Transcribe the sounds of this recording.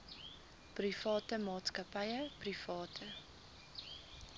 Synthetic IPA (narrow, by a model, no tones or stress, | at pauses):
prifɑːtəmɑːtskɐpɐjəprifɑːtʰə